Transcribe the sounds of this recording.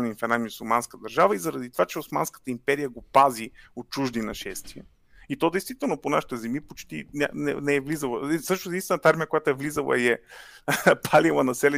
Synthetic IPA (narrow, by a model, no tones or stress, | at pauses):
minfɛnamʲisulˠmanskəd̪ɐɾʒavəizɐɾɐd̪it̪ovat͡ʃɛosma̰nskə̥t̪əimpɛɾijəɡopaziot̪̚t͡ʃuʒd̪inɐʃɛst̪iə | it̪ɔd̪ɛjst̪v̥it̪ɛlˠnoponaʃi̥t̪ɛzɛmipot͡ʃt̪inʲa̰nɛ̰nɛɛvlizəlˠəsɤʃnosed̪int̪ɛnət̪aɾmijəkojat̪ʊɛvlizəlˠɐ̰iɛ | pʰalilˠənɐsɛlɛ